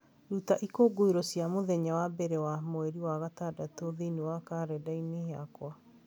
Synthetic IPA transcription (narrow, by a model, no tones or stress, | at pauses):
ɾutaʔikoːɡoiɾɔsjamoðɛɲawabɛɾɛwamoɛɾiwaɣatadatoðenewakaːɾɛdaineɦeakwa